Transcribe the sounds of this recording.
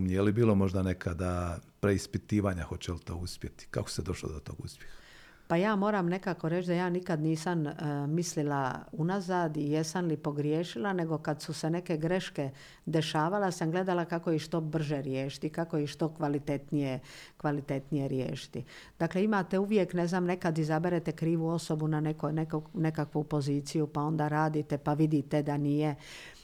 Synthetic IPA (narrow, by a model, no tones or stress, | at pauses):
miejelibiːlˠo̞mo̞ʒd̪anekʰad̪apɾeispit̪iːʋaːɲaxo̞t͡ɕelit̪oːuspʲjet̪i̥ka̰ko̥sed̪o̞ʃlo̰d̪ot̪o̰ːɡuspʲjex | pajaːmo̞ːɾamne̞kako̞ɾet͡ɕd̪ajaːnikad̪niːsammislilaunazaːd̪ijesamlipo̞ɡɾjeːʃilane̞ɡo̞kad̪suse̞ne̞ke̞ɡɾe̞ʃke | d̪e̞ʃaːʋalasamɡle̞d̪alakako̞jiʃt̪o̞br̩ʒeɾjeːʃi̥t̪ikakoiʃt̪o̞kʋalit̪e̞t̪nijekʋalit̪e̞t̪nije̞ɾjḛːʃi̥t̪i | d̪̥aːkle̞imat̪e̞uʋje̞kne̞znaːmne̞kad̪izabeɾet̪ekɾiːʋuo̞so̞bunanekojnekkne̞kakʋupo̞ziːt̪sijupao̞nd̪aːɾaːd̪it̪epaʋid̪it̪ed̪anije